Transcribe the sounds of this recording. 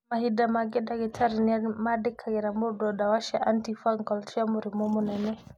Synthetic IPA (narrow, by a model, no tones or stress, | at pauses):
maɦidamaɡɛdaɡɛtʰaɾinamadɛkʰaɡɛɾamɔdɔdawaʃaʔantifaŋɡɔlt͡ʃamuɾimɔmɔnɛnɛ